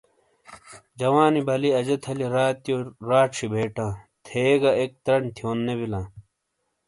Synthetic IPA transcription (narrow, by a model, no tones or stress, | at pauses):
d͡ʑɐwaːnibɐliɐd͡ʑɐt̪ʰɐliɾaːt̪joɾaːʈʂʰibʱeːʈãː | t̪ʰeːɡɐek̚t̪ɾɐɳt̪ʰioːnːebilãː